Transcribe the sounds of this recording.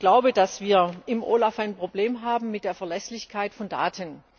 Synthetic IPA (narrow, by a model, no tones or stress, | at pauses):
ɡ̥laʊbədasv̥iːɐʔɪmʔo̰ːlafaɪnpʁ̥obleːmɦaːbm̩mɪt̚d̥eːɐfɛɐlɛslɪçkʰaɪtfɔnda̰ːtʰən